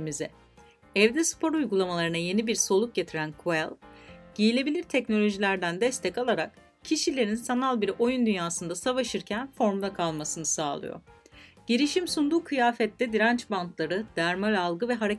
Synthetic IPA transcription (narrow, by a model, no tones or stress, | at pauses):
mizɛ̰ | ɛvd̪ɛspʰo̞ɾujɡulˠamalˠaɾɯnaje̞nibiɾso̞lˠuk̚ɟe̞t̪ʰiɾænkʰuɛlʲˠɟ̥ijilʲe̞bilʲiɾt̪ʰɛcno̞lʲo̞ʒilʲæɾd̪ænd̪ɛst̪ʰɛcalˠaɾa̰k | cʰiʃilʲe̞ɾinsanalˠbiɾo̞jund̪ynjaːsɯnd̪asavaʃɯɾcʰænfo̞ɾmd̪ˠakʰalˠmasɯnɯsaːlˠɯ̰jo̰ɟ̥iɾiʃimsund̪uːkʰɯjaːfɛt̪ːɛd̪iɾant͡ʃbant̪ʰlˠaɾɯd̪̥æɾmavɛalˠɡɯvɛɦaɾe